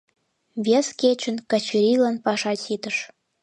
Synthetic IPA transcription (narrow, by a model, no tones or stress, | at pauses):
βʲesket͡ɕə̆nkɑt͡ɕiɾʲilɑnpɑʃɑt͡ɕit̪ə̆ʃ